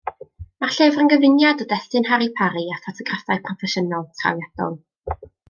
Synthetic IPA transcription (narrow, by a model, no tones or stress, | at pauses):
marɬɛvrənɡəvɪnjadɔdɛθɨnhaɾipʰaɾiafɔtʰɔɡrafajpʰrɔfɛʃənalˠtʰra̰wjad̥ɔ̰lˠ